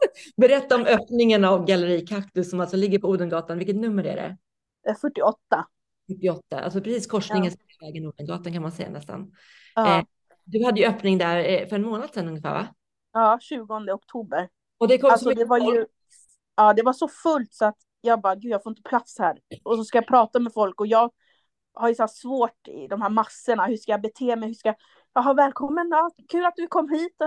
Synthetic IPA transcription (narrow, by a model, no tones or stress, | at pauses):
bɛɾɛt̪ːaɔmœːpnɪŋanavɡaləɾiːkʰakt̪ɵsɔmalsɔlɪɡːəɾpɔuːd̪ənɡɑːt̪anvɪlkət̪nɵmːəɾæ̰ɖɛ̰ | fœʈːɪɔt̪ːa | fɵʈːɪɔt̪ːa̰ʔa̰lsɔpʰɾɛsiːskʰɔʂnɪŋəns | vɛːɡənuːd̪ənɡɑ̰ːt̪ankʰanmansɛ̰jːa̰nɛst̪a̰nː | d̪ɵhad̪ːəjɵœːpnɪŋd̪æɾfœɾɛnmoːnad̪̥sɛnɵŋːəfæ̰ːɾva̰ | ɑːɕʉ̟ːɡɔnd̪əɔk̚t̪ʰuːbəɾ | ɔd̪ɛkʰɔalsɔd̪ɛvaɾjɵ | ɑːd̪ɛvaʂɔfɵlt̪sɔat̪ | jɑːɡ̚bɑːɡʉ̟d̪jaɡfoːɪnt̪əpʰlat̪shæːɾɔsɔskajapʰɾɑːt̪amɛfɔlkɔjɑːɡ | haɾjɵsæːsvoːʈɪ̰d̪ɔmhæːɾmasːəɳahɵʂkajabɛt̪ʰeːmɛjhɵʂkaja | jaɦɑːvɛːlkʰɔmːənɑːkʰʉ̟ːlat̪̚d̪ɵkʰɔmːhiːt̪